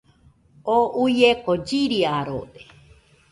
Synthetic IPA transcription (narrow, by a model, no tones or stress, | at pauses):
oujekod͡ʒiɾiaɾod̪e